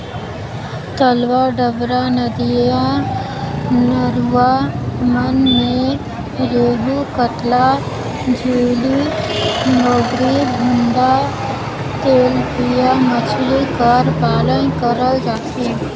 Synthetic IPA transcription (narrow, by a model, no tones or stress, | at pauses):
t̪əlʋaɖəʋɾanəd̪ijã | nəɾuwamənmẽ | ɾeːɦukət̪la | d͡ʒeːli | noːɡɾibʱʊ̃nɖ̪a | t̪eːlpijamət͡ʃʰlikəɾbaːlə̃kəɾəd͡ʒaːse